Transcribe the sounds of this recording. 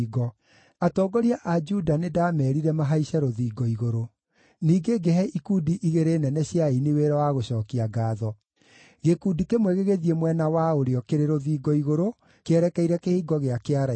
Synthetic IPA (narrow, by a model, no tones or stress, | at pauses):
ɡɔ | atɔɡɔɾiaʔad͡ʒudanedamɛɾiɾɛmaɦaiɕɛɾoðiːɡɔiɣoɾo | niːɡeɡɛɦɛikuːdiʔiɣeɾeːnɛnɛɕjaineweɾawaɣoɕɔːkiaɡaːðɔ | ɣekudikemwɛɣeɣeðiemwɛnawaoɾeɔkeɾeɾoðiːɡɔiɣoɾo | keɛɾɛkɛiɾɛkehiːɡɔɣeakeaɾa